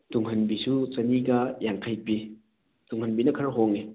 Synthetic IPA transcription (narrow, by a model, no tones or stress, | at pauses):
d̥uŋɦɐnbisut͡ʃɐniɡɐjaŋkʰajbi | d̥uŋhɐnbinɐkʰɐɾɦoŋe